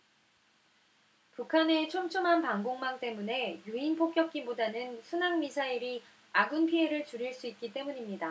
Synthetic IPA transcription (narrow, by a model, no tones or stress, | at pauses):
pukʰane̞t͡ɕʰomt͡ɕʰumɦanpaŋɡoŋmaŋt͈e̞mune̞juinpʰok̚k͈jʌk̚k͈ibodanɯnsʰunaŋmisʰaiɾi | aɡɯnpʰiɦe̞ɾɯɭt͡ɕuɾiɭs͈uit̚k͈it͈e̞muɲimɲida